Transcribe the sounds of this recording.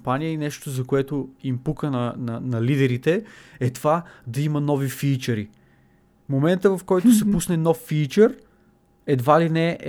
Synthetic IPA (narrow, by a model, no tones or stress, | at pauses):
panijəinɛʃt̪ozɐkoɛt̪oimpukənɐnɐnɐlid̪ɛɾit̪ɛɛt̪vad̪ɐimɐnɔvifiːt͡ʃəɾi | momɛnt̪əvɐfkɔjt̪osɛpusnɛnɔfːiːt͡ʃəɾ | ɛd̪valinɛ